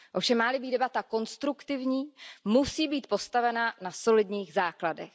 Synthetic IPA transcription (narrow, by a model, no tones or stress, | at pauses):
ʔofʃɛmːaːlɪbiːdɛbat̪ako̞nst̪ɾukt̪ɪvɲiːmusiːbiːt̪po̞st̪avɛnanaso̞lɪdɲiːɣzaːkladɛx